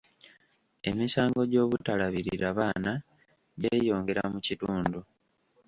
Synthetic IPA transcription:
e̞̰misaːŋɡo̞ɟo̞ːβutalaβiɾiɾaβaːna | ɟeːjo̞ːŋɡe̞ɾamucituːndu

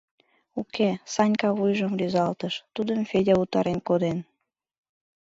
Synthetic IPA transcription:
ukʰesɑnʲkɑβujʒəmlyzɑlt̪əʃt̪ud̪əmfedʲɑut̪ɑɾenkod̪en

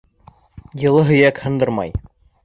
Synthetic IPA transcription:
jɤ̆lˠɤɦɵ̆jækhɤ̆nd̪ɤɾmɑ̰j

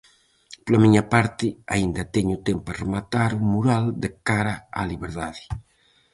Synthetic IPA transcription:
plamiɲapaɾt̪ɪaind̪ɐt̪ɛɲut̪emparemat̪aɾumuɾald̪ekaɾaa̰liβeɾðaði

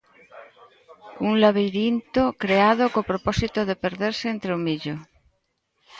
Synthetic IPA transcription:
uŋlaβ̞ejɾint̪okɾeaðokopɾopɔsit̪oðepeɾðeɾseent̪ɾeomiʎo

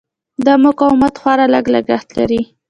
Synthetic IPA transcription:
d̪əmʊkɑwɪmat̪xwɑɾaləɡləɡəxt̪laɾi

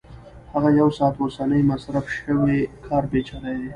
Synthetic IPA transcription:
haɣajawsɑːt̪osanəjmasɾafʃəwekʰɑɾbet͡ʃɑɾajd̪e

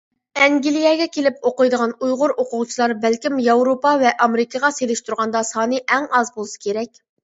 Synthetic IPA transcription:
ɛŋɡʲilijɛɡʲɛkʲʰelɪpoqəjd̪əʁɑnujʁʊɾʔoqʊʁt͡ʃʰilˠɑɾbɛlkʲimjɑwɾopɑvɛʔɑmeɾɪkʰɑʁɑselɪʃt̪uɾʁɑnd̪ɑsɑːnɨʔɛŋɑzbolˠɨsɨ̥kʲeɾɛkʲ

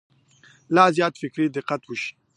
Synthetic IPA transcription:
laːzjɑːt̪fɪkɾiːd̪ɪqat̪wuʃi̥

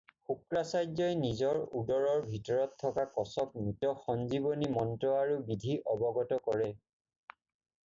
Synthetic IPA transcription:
xukɹasajd͡ʒɔjnizɔɹudɔɹɔɹbʱitɔɹɔtʰːɔkakɔsɔk̚mitɔxɔnzibonimɔntɹɔaɹubidʱiʔɔbɔɡɔtɔkɔɹɛ

